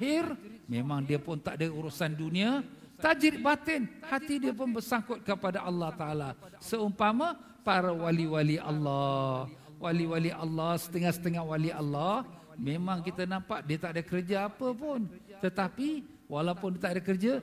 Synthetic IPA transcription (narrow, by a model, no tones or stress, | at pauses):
ɦɪrmemaŋdiəpʊnt̪aʔdəuɾusanduniat̪ad͡ʒɪt̪̚bat̪ənhat̪idiəp̬ʊnbərsaŋkʊt̪̚kəpadaʔɑlːɑht̪aʔalasəumpama | paɾawaliwaliʔa̰lːɑ | wʔaliwaliʔɑlːahsə̥t̪əŋahsə̥t̪əŋahwaliʔɑlːɑh | memaŋkit̪ənampaʔ̚diət̪aʔdəkərd͡ʒaapəpʊnt̪ət̪api | walapʊndiət̪aʔdəkərd͡ʒa